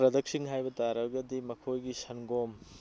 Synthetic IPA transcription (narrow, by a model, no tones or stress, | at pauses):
ɾɐd̪ɐk̚siŋɦajbɐtaɾɐɡɐdimɐkʰojɡisɐnɡom